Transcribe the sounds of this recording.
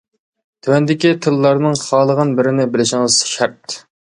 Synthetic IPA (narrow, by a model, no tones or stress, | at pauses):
t̪ʰywɛnd̪ɪkʲit̪ʰɨlːɑɾnɨŋχɑːlˠəʁənbɪɾɪnɪbɪlɪʃɪŋɨz̥ʃæɾt̪